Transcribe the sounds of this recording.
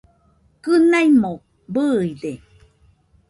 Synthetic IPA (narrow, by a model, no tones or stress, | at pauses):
kɯnaimo | bɯːide